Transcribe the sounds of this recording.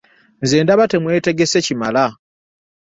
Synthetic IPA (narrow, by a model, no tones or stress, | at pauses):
nzeːndaβate̞mwe̞ːte̞ɡe̞se̞cimala